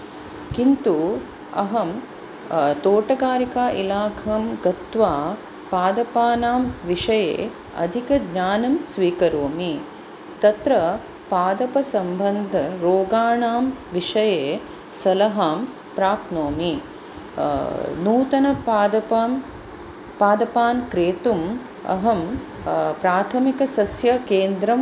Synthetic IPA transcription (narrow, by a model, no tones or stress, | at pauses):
kint̪u | ɐ̰ɦɐm | t̪oːʈɐɡaːɾikaːʔilaːkʰɐmɡɐt̪ʋaː | paːd̪ɐpaːnaːmʋiʂɐjḛː | ɐ̰d̪ʱikɐɡɲaːnɐmsʋiːkɐɾoːmi | t̪ɐt̪ɾɐ | paːd̪ɐpɐsɐmbɐnd̪ʱɐɾoːɡaːɳaːmʋiʂɐjeː | sɐlɐɦaːm | pɾaːpnoːmi | nuːt̪ɐnɐd̪ɐpːm | paːd̪ɐpaːnkɾeːt̪um | ɐ̰ɦɐm | pɾaːt̪ʰɐmikɐsɐsjɐkeːnd̪ɾɐm